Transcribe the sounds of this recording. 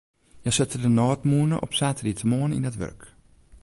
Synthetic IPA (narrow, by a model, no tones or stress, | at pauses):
jɛjsɪtədənɔːtmuənə̰ʔɔ̰psaːtəritəmoənḭndətʋø̰rk